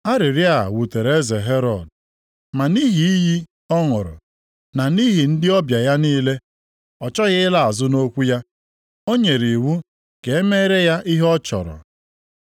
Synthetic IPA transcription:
a˦ɾɪ˨ɾja̰˦˨wu˨te˨ɾe˦ze˨ɦe˦ɾɔ˨d̚ | ma˨ni˦ɦi˨i˦ji˦ | ɔ˦ŋʊ˨ɾʊ̰˨ | na˨ni˦ɦi˨n̩˦dɪ˦ɔ˦bja˨ja˦niː˦le˦ | ɔ˨t͡ʃɔ˦ɣɪ˦ɪ˦la˦a˨zʊ˦no˦kʷu˦ja˦ | o˦ɲe˨ɾi˨wu˦ | ke˨e˦me˦ɾe˦ja˦ʔi˦ɦɔ˦t͡ʃɔ̰˨ɾɔ̰˨

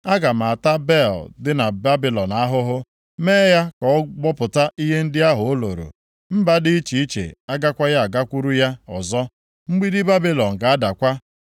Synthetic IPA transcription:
a˦ɡa˨ma˨a˨ta˦be˦˨ldɪ˦na˨ba˦bi˨lɔ˨na˦ɦʊ˦ɦʊ˦ | meː˦ja˦kɔ˨˦ɡ͡bɔ˦pʊ˨ta˦ʔi˦ɦe˦n̩˦dɪ˦a˦ɦʊ˨o˦lo̰˨ɾo̰˨ | m̩˦ba˦dɪ˦i˦t͡ʃi˨i˦t͡ʃḛ˨a˦ɡa˦kʷa˦ja˦a˨ɡa˦kʷu˦ɾu˦ja˦ɔ˨zɔ˦ | ŋ͡m̩˦ɡ͡bi˦dɪ˦ba˦bi˦lɔ˨n̩˨ka˨a˦da˨kʷa˦

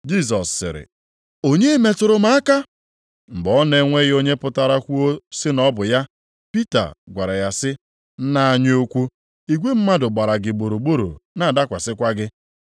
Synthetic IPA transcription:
d͡ʒi˦˨s̬ɔ˨sːɪ̰˨ɾɪ̰˨ | o˦ɲe˦me˨tʊ˨ɾʊ˨ma˦a˦ka˦ | m̩˨ɡ͡bɔ˦ne˦ŋʷe˦ɣo˦ɲe˦pʊ˦ta˨ɾa˦kʷu˦o˦sɪ˦nɔ˦bʊ˨ja˦ | pi˦ta̰˨ɡʷa˨ɾa˨ja˨sɪ˦ | na˦a˦ɲ˦o˦kʷu˦ | i˨ɡʷe˦m̩˦ma˦dʊ˨ɡ͡ba˨ɾa˨ɡɪ˨ɡ͡bo˨ɾo˨ɡ͡bo˦ɾo̰˨na˨a˨da˦kʷa˨sɪ˦kʷa˦ɡɪ˦

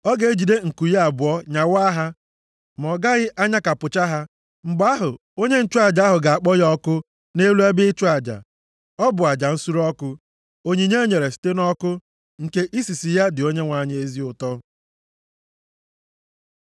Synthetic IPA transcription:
ɔ˦ɡe˨˦d͡ʒi˨de˦ŋ̩˨ku˨ja˦a˨bʊ˨ɔ˦ɲa˨wa˦ɦa˦ | m˨ɔ˨ɡa˦ɣɪ˦ʔa˦ɲa˦ka˨pʊ˨t͡ʃa˦ɦa˦ | ŋ͡m̩˨ɡ͡ba˦ɦʊ˨ | o˦ɲe˦n̩˦t͡ʃʊ˦a˨d͡ʒa˨˦a˦ɦʊ˨ɡa˨a˨k͡pɔ˦jɔ˦kʊ˦ | ne˦lu˦e˦bɪ˦t͡ʃʊ˦a˨d͡ʒa̰˨ | ɔ˦bʊ˨a˨d͡ʒa˨n̩˦su˦ɾɔ˦kʊ˦ | o˦ɲi˨ɲe˦o˦ɲe˨ɾe˨si̥˨te˦nɔ˦kʊ˦ | ŋ̩˨ke˦ʔi˦si˨si˨ja˦dɪ˨o˦ɲe˦ŋʷa˨ɲ˦e˦zi˦ʊ˨tɔ˦

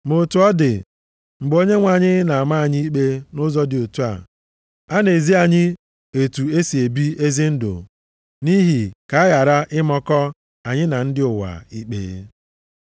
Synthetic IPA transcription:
mo˨tu˨ɔ˦dɪ˨ | ŋ͡m̩˨ɡ͡bo˦ɲe˦ŋʷa˨ɲɪ˦na˨a˨ma˦a˨ɲi˦i˦k͡pe˦nʊ˦zɔ˦dɪ˨o˨tu˦a̰˨ | a˦ne˨zi˦a˨ɲɪ˦ | e˨tu˨e˦si˨e˨bi˦e˦zi˦n̩˦dʊ̰˨ | ni˦ɦi˨ka˨a˦ja˨ɾa˦ʔɪ˦mɔ˦kɔ˦ | a˨ɲɪ˦na˨n̩˦dɪ˦ʊ˨wa̰˨i˦k͡pḛ˨˦

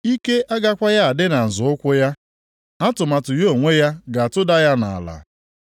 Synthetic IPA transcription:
i˦ke˦ʔa˦ɡa˦kʷa˦ja˦a˨dɪ˦na˨n̩˨zʊ˨˦ʊ˦kʷʊ˦ja˦ | a˦tʊ˨ma˨tʊ˨jo˦˨ŋʷe˦ja˦ɡa˨tʊ˦da˦ja˦na˨a̰˨la̰˨

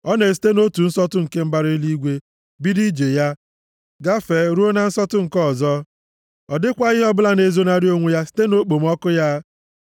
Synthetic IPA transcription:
ɔ˦ne˨s̬i̥˨˦te˦no˦tu˨n̩˦sɔ˦tʊ˦ŋ̩˨ke˦m̩˦ba˦ɾi˦i˦li˦ɡʷe˦ | bi˦di˦d͡ʒe˨ja˦ | ɡa˦fe˨˦ɾu˦o˦na˨n̩˦sɔ˦tʊ˦ŋ̩˨kɔ˦˨zɔ˦ | ɔ˨dɪ˦kʷa˦ɣɪ˦ɦɔ˦bʊ˦la˦ne˨zo˦na˦ɾjo˦ŋʷu˦ja˦si̥˦te˦no˦k͡po˨m̩˦ɔ˦kʊ˦ja˦

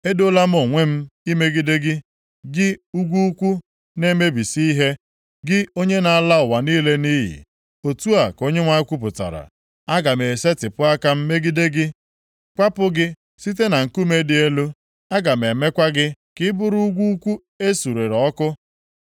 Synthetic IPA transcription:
e˦do˦la˦m̩˦o˨ŋʷe˦m̩˦i˦me˦ɡi˦de˦ɡɪ˦ | ɡɪ˦u˦ɡʷu˦kʷu˦ | ne˦me˦bi˨si˦i˦ɦe˦ | ɡɪ˦o˦ɲe˦na˨a˨la˦ʊ˨wa˨niː˦le˦ni˦ɦḭ˨ | o˨tu˦a˨ko˦ɲe˦ŋʷa˦kʷu˦p̬ʊ˨ta̰˨ɾa̰˨ | a˦ɡa˨me˨se˦tɪ˨pʊ˦a˦ka˦m̩˦me˦ɡi˦de˦ɡɪ˦ | kʷa˦pʊ˦ɡɪ˦ | si˦t̬e˦na˨ŋ̩˨ku˦me˦dɪ˨e˦lu˦ | a˦ɡa˨m˨e˨me˦kʷa˦ɡɪ˦kɪ˦bʊ˦ɾu˦u˦ɡʷu˦u˦kʷu˦ | e˦su˨ɾe˨ɾɔ˦kʊ˦

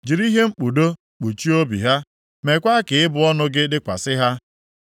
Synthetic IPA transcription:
d͡ʒi˨ɾi˦ɦe˦ŋ͡m̩˦k͡pu˨do˦ | k͡pu˨t͡ʃi˦o˦bḭ˨ɦa˦ | me˨kʷa˦kɪ˨ɪ˦bʊ˨ɔ˦nʊ˦ɡɪ˦dɪ˦kʷa̰˨sɪ˦ɦa˦

